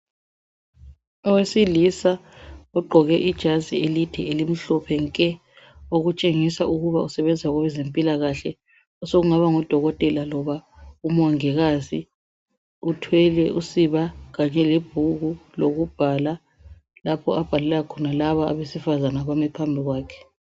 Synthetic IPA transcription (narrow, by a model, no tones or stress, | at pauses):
ɔwesilisaɔɡ͡ǃʱɔɣɛʔid̥ʒ̥ʱazielitʰɛelim̩ɬɔpʰɛŋkʼɛ | oɣut͡ʃʼeŋisauɣuβausɛβɛnd͡zʱwaɣɔβɛzempʼilaɣaɬɛ | ɔsoɣuŋaβaŋɔd̥ʱɔɣɔtʼɛlalɔβaumwaŋɛɣazi | utʰwɛlɛusiβaɣaɲɛleb̥ʱuɣuloɣub̥ʱala | lapʰɔab̥ʱalɛlɛɣakʰɔnalaβaa̰βesifazanaβamɛpʰambʱiɣwaːkʰɛ̥